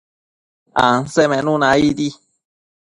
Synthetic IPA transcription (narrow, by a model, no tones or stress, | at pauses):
ã̰nsemẽnũnãid̪i